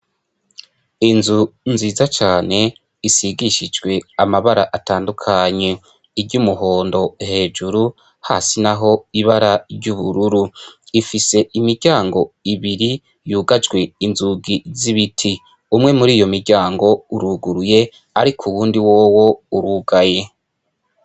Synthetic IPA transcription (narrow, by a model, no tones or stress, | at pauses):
inzunziːzat͡ʃaːne̞ | isiɡiʃid͡ʒɡwe̞amaβaɾaʔataːndukʰaɲe̞ | iɾɟumuɦo̞ːndo̞he̞ːd͡ʒuɾu | ha̰ːsinaɦo̞iβaɾaɾɟuβuɾuɾuifise̞imiɾɟaːŋɡo̞iβiɾi | juːɡad͡ʒɡwe̞inzuɡiziβitʰi | umŋe̞muɾiːjo̞miɾɟaːŋɡo̞uɾuɡuɾuje̞ | aɾikʰuwuːndiwoːwo̞uɾuɡaje̞